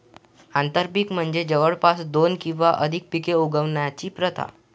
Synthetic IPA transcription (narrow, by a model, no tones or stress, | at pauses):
ant̪əɾpikm̤əɳd͡zed͡ʑəʋəɽpasd̪onkĩw̃ʋaʔəd̪ʱik̚pikeuɡəʋɳjat͡ɕiːpɾət̪ʰa̰